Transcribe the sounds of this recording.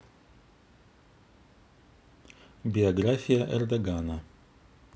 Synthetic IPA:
bʲɪɐɡɾafʲijɐʔɛrd̪ɐɡanɐ

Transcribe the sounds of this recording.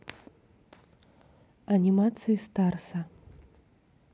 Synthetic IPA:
ɐnʲimat̪sɨjist̪arsɐ

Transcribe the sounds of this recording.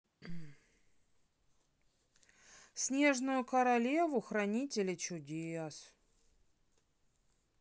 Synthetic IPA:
sʲnʲe̞ʐnʊjʊkəɾɐlʲevʊxɾɐnʲitʲɪlʲɪt͡ɕʊdʲes

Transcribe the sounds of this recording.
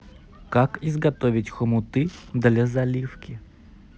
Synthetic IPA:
kakizɡɐt̪ovʲɪtʲxɔmʊt̪ɨd̪lʲɐzɐlʲifkʲɪ

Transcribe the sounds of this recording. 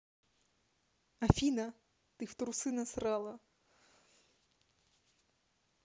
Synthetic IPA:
ɐfʲinɐ | t̪ɨft̪ɾusɨnɐsɾɑlˠɐ

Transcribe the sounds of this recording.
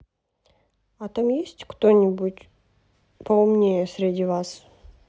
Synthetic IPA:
at̪amjesʲtʲkt̪onʲɪbutʲ | pəʊmnʲejəsʲɾʲɪdʲivas

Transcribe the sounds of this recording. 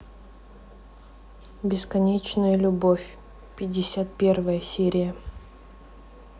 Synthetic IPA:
bʲɪskɐnʲet͡ɕnəjəlʲʊbofʲ | pʲɪdʲːɪsʲat̪̚pʲe̞rvəjəsʲeɾʲɪjə

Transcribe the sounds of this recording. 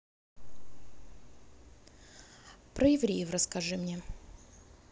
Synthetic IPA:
pɾəjɪvɾʲejɪfrəskɐʐɨmnʲe

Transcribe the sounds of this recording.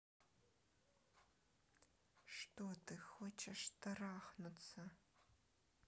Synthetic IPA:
ʂtodɨxwɔt͡ʃʰɐʂtʰɐraːχnɨt͡sʰɐ

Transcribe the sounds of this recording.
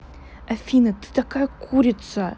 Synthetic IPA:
afinatʰɨ̥tʰakajkʷʰuɾʲit͡sʰa

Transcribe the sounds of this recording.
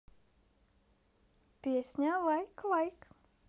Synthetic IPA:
piəsɲalajklajk

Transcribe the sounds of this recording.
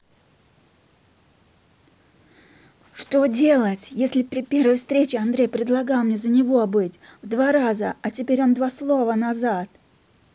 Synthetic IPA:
ʂt̪o̞dʲe̞lˠətʲjesʲlʲɪpɾʲɪpʲe̞rvəjfst̪ɾʲet͡ɕɪɐnd̪ɾʲejpɾʲɪd̪lˠɐɡɑlˠmnʲezənʲɪvo̞bɨtʲvd̪vaɾazəɐtʲɪpʲeɾʲo̞nd̪vaslˠo̞vənazat̪

